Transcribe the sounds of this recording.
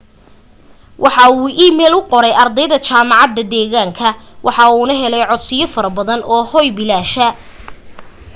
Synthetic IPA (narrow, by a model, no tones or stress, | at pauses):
wʔɑħɑuːʔiːmɛːlʊqɔɾɛjɐrd̪ɛjðɐt͡ʃaːmɑʕɑd̪ːɐd̪ɛːɣaːŋkʰɐwʔɑħɑuːnɐɦɛlɛjʕɔd̪sɪjɔfɐɾɐbɐðɐnʔɔːhɔjbɪlaːʃɐ